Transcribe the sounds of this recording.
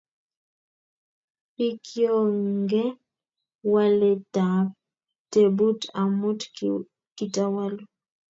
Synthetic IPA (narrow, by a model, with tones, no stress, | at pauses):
i˦kʰjo˦ŋŋɡɛ˦ | wa˦le˨ta˨p̚ | te˨bu˦ta˨mo˦t | ki˨ta˨wa˦lo˦